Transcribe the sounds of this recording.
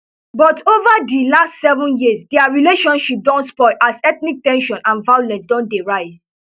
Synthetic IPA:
bɔtovadilastsɛvũnjisdɛaɹileʃɔ̃nʃip̚dɔ̃ntspɔɪʔasɛtnik̚tɛ̃nʃɔ̃nãnvajolɛ̃nsdɔ̃ndeɹaɪz

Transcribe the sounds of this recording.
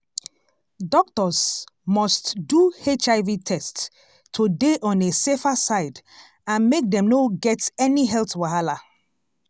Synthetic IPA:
dɔk̚tɔsmɔstduhet͡ʃaɪvitʰɛst | tʰːudeʔɔ̃nesefasaɪd | ãnmek̚dɛ̃mnoɡɛtɛniɦɛltwaɦala

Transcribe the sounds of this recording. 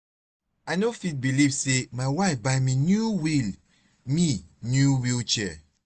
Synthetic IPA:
aɪnofit̚bilivsemaɪwaɪfbaɪminjuwil | minjuwilt͡ʃɛ

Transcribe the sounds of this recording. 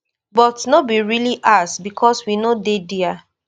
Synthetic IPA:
bɔtnobiɹiliʔasbikʰɔswinodedia

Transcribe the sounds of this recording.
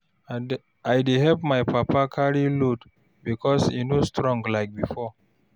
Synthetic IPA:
ajdeɦɛp̚maɪpʰapʰakʰaɹilud | bikʰɔsḭnustʰɹɔ̃ŋɡlaɪk̚bifɔ

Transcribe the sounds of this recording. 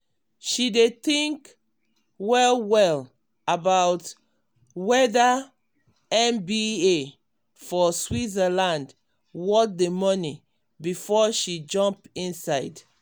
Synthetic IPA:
ʃidetĩŋk | wɛlwɛl | abaʊt | wɛda | ɛ̃nbie | fɔswizalãnd | wɔt̚demɔni | bifɔʃid͡ʒɔ̃mpĩnsaɪd

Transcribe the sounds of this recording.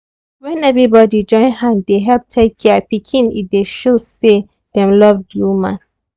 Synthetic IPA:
wɛ̃nɛvɹibɔdid͡ʒɔ̃ɪ̃nhãnddeɦɛlp̚tʰekʰːɛpikʰĩnḭt̚deʃose | d̥ɛ̃mlɔvdjumã̰n

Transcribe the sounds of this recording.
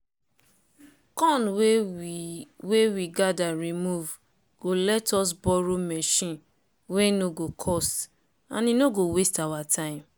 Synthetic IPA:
kɔ̃nw | wewiɡadaɹimuv | ɡ̥olɛtɔs̬bɔɾomɛʃĩn | wenoɡokʰɔst | a̰nĩnoɡowestawatʰãɪĩm

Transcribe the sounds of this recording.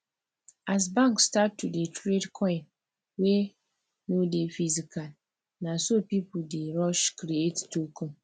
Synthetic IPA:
as̬bãŋkstatːudetʰɾedkʰɔ̃ɪ̃n | we | nodefizikʰal | nãsopipʊldeɾɔʃkɾiettokʰũm

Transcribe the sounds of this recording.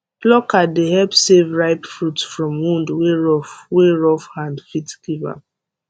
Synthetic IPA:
blɔkadehɛlpsevɹaɪpfɹutsfɹɔ̃mwũndweɹɔweɹɔfhãndfitkiva̰

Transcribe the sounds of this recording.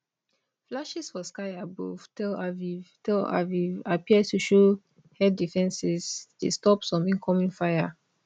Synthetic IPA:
flaʃisfɔskaɪabo̰vtlavivtila̰vivapiəd̚tuʃo | hɛdifɛ̃nsɛsdḛstɔpsɔ̃mĩŋkʰɔmĩnfaɪja

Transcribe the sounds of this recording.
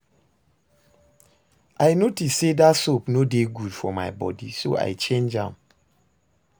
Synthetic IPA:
ʔajnotissedatsopnodeɡudfɔmaɪbɔdiso̰ʔa̰ɪt͡ʃẽnd͡ʒãm

